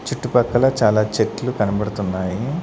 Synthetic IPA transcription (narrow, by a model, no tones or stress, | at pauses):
t͡ʃiʈːupɐkːɐlɐt͡ʃaːlaːt͡ʃeʈlukɐnɐbɐɽut̪unːaːji